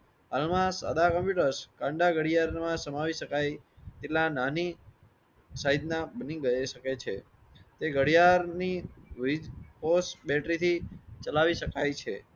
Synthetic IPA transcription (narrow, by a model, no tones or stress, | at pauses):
ɦalmãsa̰d̪akəmpjuʈəɾskãɳɖaɡəɽijaɾmãsəmaʋiʃəkajt̪eʈlanani | saɦid̪nabəniɡəeʃəket͡ʃʰe | t̪eɡəɽijaɾniʋid͡ʒposbɛʈɾit̪ʰit͡ʃəlaʋiʃəkajt͡ʃʰe